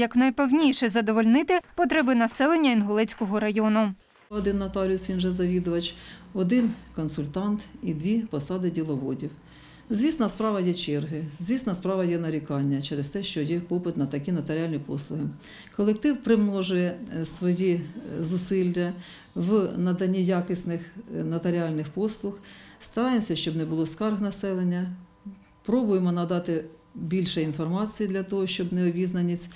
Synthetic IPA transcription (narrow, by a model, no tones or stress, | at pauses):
jɐknɐjpɛwnʲijʃɛzɐd̪ɔʋɔlʲnɪt̪ɪpɔt̪ɾɛbɪnɐsɛlˠenʲːɐinɦɔlˠɛt͡sʲkɔɦɔɾɐjɔnʊ | ɔd̪ɪnːɐt̪ɑlʲiʊsʋʲinʒɛzɐʋʲid̪ʊʋɐt͡ʃɔd̪ɪnkɔnsʊlʲt̪ɑnt̪id̪ʋʲipɔsɑd̪ɪdʲilˠɔʋɔdʲiw | zʲʋʲisnɐspɾɑʋɐjɛt͡ʃɛrɦɪzʲʋʲisnɐspɾɑʋɐjɛnɐɾʲikɑnʲːɐt͡ʃɛɾest̪ɛʃt͡ʃɔjɛpɔpɪt̪nɐt̪ɐkʲinɐt̪ɐɾʲɑlʲnʲipɔslˠʊɦɪ | kɔlˠek̚t̪ɪwpɾɪmnɔʒʊjɛsʋɔjizʊsɪlʲːɐ | ʋnɐd̪ɐnʲːijɑkɪsʲnɪxnɐt̪ɐɾʲɪɑlʲnɪxpɔslˠʊxst̪ɐɾɑjemsʲɐʃt͡ʃɔbnɛbʊlˠɔskɑrɣnɐsɛlˠenʲːɐ | pɾɔbʊjemɔnɐd̪ɑt̪ɪbʲilʲʃɛinfɔrmɑt͡sʲijid̪lʲɐt̪ɔɦɔʃt͡ʃɔbnɛɔbʲiznɐnʲit͡sʲ